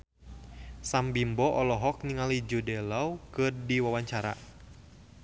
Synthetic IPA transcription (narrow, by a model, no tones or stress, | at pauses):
sambimbɔʔɔlɔɦɔk̚niŋalid͡ʒudɛlawkɨrdiwawaɲt͡ʃaɾa̰